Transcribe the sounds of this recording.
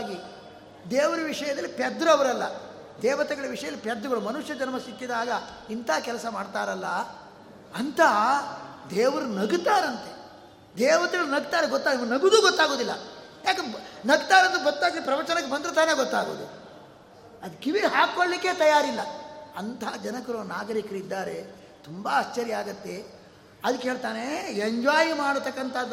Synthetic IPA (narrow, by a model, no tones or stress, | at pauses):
ɡi | d̪eːʋɐɾɐʋiʂɐjɐd̪ɐlːipɛd̪ɾɐɐʋɐɾɐlːɐ̰ | d̪ɛːʋɐt̪ɛɡɐɭɐʋiʂɐjɐlːipɛd̪ɾɐɡɐɭumɐnuʂjɐd͡ʒɐnmɐsikːid̪aːɡɐ | int̪aːkɛlɐsɐmaːɖt̪aːɾɐlːɐ | ɐnt̪ʰɐ | d̪ɛːʋɐɾunɐɡt̪aːɾɐnt̪e | d̪ɛːʋɐt̪ɛɡɐɭunɐɡt̪aːɾeɡɔt̪ːaːimɐnɐɡud̪uːɡɔt̪ːaːɡoːd̪ilːɐ̰ | jaːkenɐɡt̪aːɾɐnt̪uɡɔt̪ːaːɡipɾɐʋɐt͡ʃɐnɐkːebɐnd̪ɾut̪aːneːɡɔt̪ːaːɡo̰ːd̪ṵ | ɐd̪kiʋiɦaːɡkːoɭlikːet̪ɐjaːɾilːɐɐnt̪ʰaːd͡ʒɐnɐkɐɾoːnaːɡɐɾikɐɾid̪ːaːɾe̞ | t̪umbaːst͡ʃːɐɾjaːɡɐt̪ːe̞ | ɐd̪ɐkːeɦe̞ːɭt̪aːneeɲd͡ʒaːjimaːɽt̪ːɐkːɐnt̪ʰaːd̪